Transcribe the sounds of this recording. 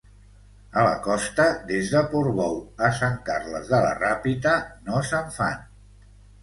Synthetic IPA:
ələ̰kɔst̪əd̪ezðəpuɾβɔwəsaŋkarləzðələ̰rapit̪ənosəɱfa̰n

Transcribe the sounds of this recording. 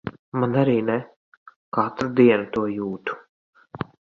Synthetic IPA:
manaɾiːnɛ | kat̪ɾud̪iɛnut̪uɔjuːt̪u̥

